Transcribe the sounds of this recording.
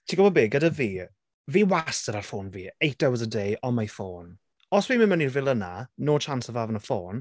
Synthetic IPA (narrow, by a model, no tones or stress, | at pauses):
tʰiɡɔwɔbeːɡədaviː | viːwastəɾarfoːnviːejt̚d̥ɛwəzədejʔɔnmajfoːn | ɔswiːməmənirvɪlˠənanoːt͡ʃʰansəvaːvənəfoːn